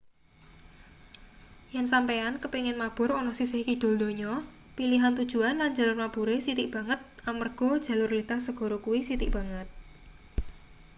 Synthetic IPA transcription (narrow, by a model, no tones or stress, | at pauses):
jansampeankəpiŋɪnmab̥ʊ̤ɾonɔsisɪhkid̥o̤ld̪o̤ɲɔ | piliɦant̪ud̥ʒ̥ṳanland͡ʒa̤lʊrmapuɾesit̪iʔb̥ä̤ŋət̪̚amərɡ̥ɔ̤d̥ʒ̥ä̤lʊrlit̪ahsəɡ̥ɔ̤ɾokuwisit̪iʔb̥ä̤ŋət̪̚